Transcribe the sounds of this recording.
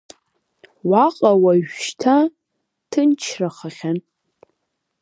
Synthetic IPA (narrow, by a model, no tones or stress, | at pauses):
waqʼawaɥʃtʰa | tʰɨnt͡ʃʰraχaχʲan